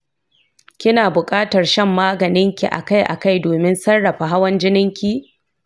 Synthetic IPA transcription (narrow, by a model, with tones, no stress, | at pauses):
kʲɪ˦naː˨bʊ˨kʼaː˦tɐ˨rʃɛ˦mːaː˦ɡɐ˨nɪ˦ŋkʲi˨ʔa̰˨ka˦jʔa̰˨ka˦˨jdoː˨mɪ˦nsɐ˦rːɐ˨ɸa˨ɦa˦wɐ˦nd͡ʒɪ˦nɪ˦ŋkʲi˦